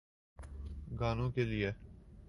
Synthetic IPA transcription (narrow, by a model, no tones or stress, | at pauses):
ɡaːnõːkelie